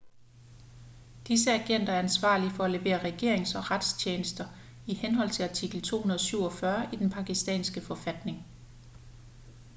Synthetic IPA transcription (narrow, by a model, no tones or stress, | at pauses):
d̥isəæɡ̥en̰d̥ɐæɐænsʋɑ̰̈ːlifɒ̽æle̝ʋe̝̰ːɐʁɛɡ̥e̝ɐeŋsɒ̽ʁad̥st͡ɕʰeːnəsd̥ɐ | ihenɦɒ̽l̰t͡sʰe̝lɑt͡sʰiɡ̥l̩t͡sʰo̝̰ːhunɐð̞ˠsyʊ̰ɒ̽fɶɐid̥enpʰɑ̈ɡ̥isd̥ɛ̰ːnsɡ̥əfɒ̽fæd̥ne̝ŋ